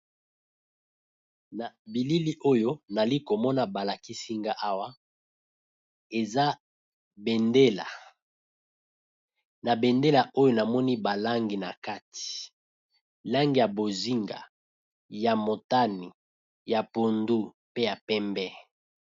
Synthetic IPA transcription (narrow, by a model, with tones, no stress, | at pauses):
na˨bi˨li˦li˦ʔo˦jo˦na˨li˦ko˨mɔ˦na˨ba˨la˨ki˦si˦ŋɡa˦ʔa˦wa˦ | e˨za˦ | be˨nde˦la˨ | na˨bɛ˨nde˦la˨ʔo˦jo˦na˨mɔ˦ni˦ba˨la˦ŋɡi˨na˨ka˦ti̥˨ | la˦ŋɡi˨ja˨bo˨zi˦ŋɡa̰˨ | ja˨mo˨ta˦ni˨ | ja˨po˨ndu˦ | pe˦ja˨pɛ˦mbɛ˦